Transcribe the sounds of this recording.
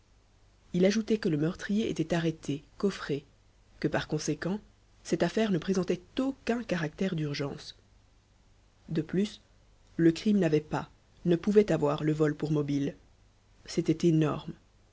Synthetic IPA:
ilaʒut̪ɛkələmœʁt̪χijeʔḛt̪ɛt̪aʁet̪ʰekɔfχe | kəpaʁkɔ̃sekɑ̃ | sɛt̪afɛʁnəpχezɑ̃t̪ɛt̪okɛ̃kaʁak̚t̪ɛʁd̪yʁʒɑ̃s | d̪əplys | ləkχimnavɛpa | nəpuvɛt̪avwaʁləvɔlpuʁmɔbil | set̪ɛt̪enɔ̰ʁm

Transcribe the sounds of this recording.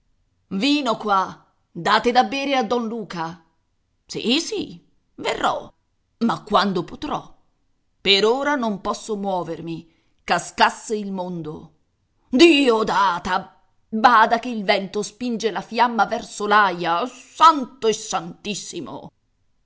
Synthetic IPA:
viːnokwa | d̪aːt̪ed̪abːeːɾead̪ːɔnluːka | sḭsi | verːɔ | makːwand̪opot̪ɾɔ̰ | peɾoːɾanompɔsːomwɔːvermi | kaskasːeilmond̪o | d̪iːod̪aːt̪a | baːd̪akeilvɛnt̪ospind͡ʒelafjamːavɛrsolajasant̪oesːant̪isːimo̰

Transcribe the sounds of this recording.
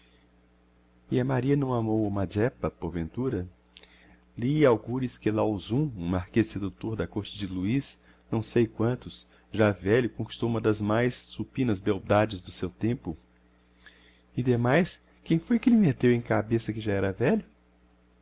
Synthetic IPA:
ɪɐmaɾiɐnɐ̃w̃amowmad͡ʒɛpɐpoɾvẽnt̪uɾɐ | liawɡuɾɪskɪlawzũũmaɾkessed̪ut̪oɾd̪ɐkoɾt͡ʃɪd͡ʒɪluis | nɐ̃w̃sejkwɐ̃nt̪ʊs | ʒavɛʎʊkõkist̪owũmɐd̪ɐzmajsːupĩnɐzbewd̪ad͡ʒɪzd̪ʊsewt̪ẽmpʊ | ɪd̪emajskẽj̃fojkɪlɪmet̪ewẽj̃kabesɐkɪʒaɛɾɐvɛʎʊ

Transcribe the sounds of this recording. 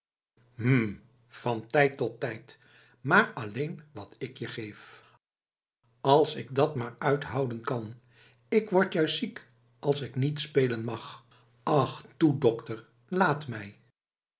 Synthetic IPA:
m̩ | fɑntɛjtːɔtːɛjt | maːɹɑlejnʋɑtɪkjəχejf | ɑlˠsɪk̚dɑtmaːɹœɥtɦɑwdənkɑn | ɪkʋɔɹtjœɥssik | ʔɑlˠsɪknitspejlənmɑχ | ɑχtudɔktəɹ | laːtmɛj

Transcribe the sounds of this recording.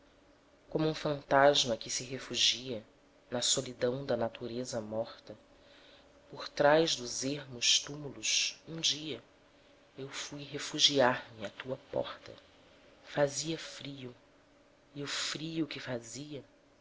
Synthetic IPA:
kõmʊũfɐ̃nt̪aʒmɐkɪsɪɦefuʒiɐ | nɐsolid̪ɐ̃w̃d̪ɐnat̪uɾezɐmɔχt̪ɐ | poɾt̪ɾajʒd̪ʊzeɦmʊʃt̪umulʊʃũd͡ʒiɐ | ewfujɦefuʒiaɾmɪat̪uɐpɔ̰χt̪ɐ̰ | faziɐfɾiʊ | iʊfɾiʊkɪfaziɐ

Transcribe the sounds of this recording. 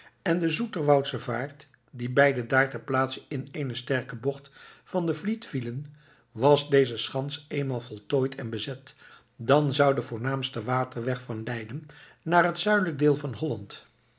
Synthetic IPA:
ɛndəzutəɹʋɑwtsəvaːɹt | dibɛjdədaːɹtəplaːtsənɪnejnəstɛɹkəbɔχtfɑndəvlitfilən | ʋɑsdejzəsχɑnsejnmaːlˠvɔlˠtoːjtʰɛnbəzɛt | dɑnzʌwdəvʊːɹnaːmstəʋaːtəɹʋɛχfɑnlɛjdən | naːrɦətsœɥdələɡ̚dɪːlˠvɑnɦɔlɑnt

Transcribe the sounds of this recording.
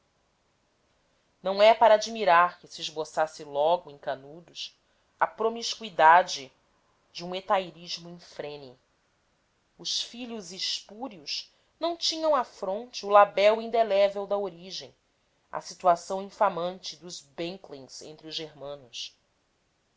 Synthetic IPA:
nɐ̃w̃ɛpaɾɐaːd͡ʒimiɾaɾkɪsiːʒbosasɪlɔɡʊẽj̃kanud̪ʊs | ɐpɾomiʃkwid̪ad͡ʒɪ | d͡ʒɪũet̪ajɾiʒmʊĩfɾẽnʊ | ʊʃfiʎʊziʃpuɾiʊʃ | nɐ̃w̃t͡ʃĩɲɐ̃w̃afɾõnt͡ʃɪʊlabɛwĩnd̪elɛvewd̪ɐoɾiʒẽj̃ | ɐ̰sit̪uasɐ̃w̃ĩfamɐ̃nt͡ʃɪd̪ʊzbẽŋklĩŋz̥ḛ̃nt̪ɾɪʊzʒeɾmɐ̃nʊs

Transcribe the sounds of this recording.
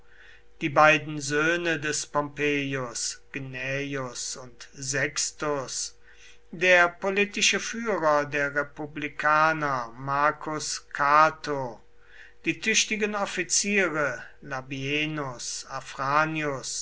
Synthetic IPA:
d̥iːbaɪdn̩zøːnədɛspɔmpeːjʊsɡ̥nɛjʊsʊntzɛkstʊs | deːɐpolitɪʃəfyːʁɐdeːɐʁepublikʰaːnɐmaɐkʰʊskʰaɐtʰo | d̥iːtʰʏʃtɪɡənɔfit͡siːʁə | labienʊsafʁaːniʊs

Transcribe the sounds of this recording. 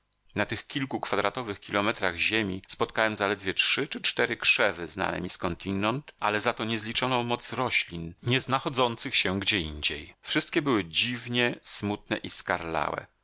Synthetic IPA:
nat̪ɘxkʲilkukfad̪ɾat̪ɔvɘxkʲilɔmɛt̪ɾaɣʑemʲispɔt̪̚kawɛmzalɛd̪vʲjɛt͡ʂʂɘt͡ʂɘt͡ʂt̪ɛɾɘkʂɛvɘzna̰nɛ̰mʲiskɔnt̪ʲinɔnt̪ʔa̰lɛzat̪ɔɲɛzlʲit͡ʂɔnɔ̃w̃mɔt̪sɾɔɕlʲinɲɛznaxɔd̪zɔnt̪sɘxɕɛɡd͡ʑɛiɲd͡ʑejfʂɘst̪kʲɛbɘwɘd͡ʑivɲɛsmut̪̚nɛʔiskaɾla̰wɛ̰

